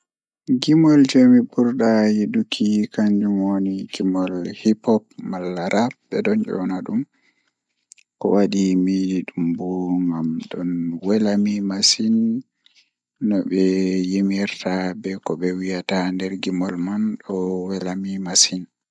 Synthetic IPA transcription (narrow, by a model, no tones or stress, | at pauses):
ɡimɔld͡ʒɛmibuɾɗajidukʰikaɲd͡ʒumoniɡimɔlhipɔp̚malːaɾʔabɛɗɔnd͡ʒɔ̰naɗum | kɔ̰waɗimidiɗumbuŋɡamɗɔnwɛlamimasin | ɔɓɛjemiɾtabɛkɔbɛwijatandɛɾɡimɔlmanɗɔwɛlamimasin